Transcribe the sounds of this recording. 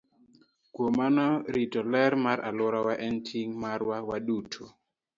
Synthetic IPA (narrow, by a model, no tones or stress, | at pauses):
kwomanɔɾitɔlɛɾmaɾʔalʊɾawaʔɛntʰiŋmaɾwawadutʰo